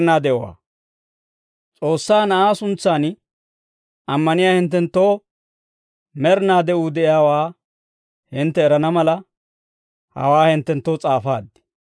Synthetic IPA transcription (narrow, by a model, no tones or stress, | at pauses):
naːd̪ɛʔwa̰ː | t͡sʼo̞ːsːaːnɐʔaːsʊnt͡sːaːn | ʔɐmːɐnɪjaːhɪnt̪ːɛnt̪ːo̞ː | mɛɾnaːd̪ɛʊd̪ɛʔɪjaːwaː | hɪnt̪ːɛːɾɐnɐmɐlɐ | hɐ̰waːhɪnt̪ːɛnt̪ːoːt͡sʼaːfa̰ːd̪ːɪ̥